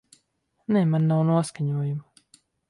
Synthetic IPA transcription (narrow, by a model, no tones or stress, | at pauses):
nɛːmanːawnuɔskaɲuɔjum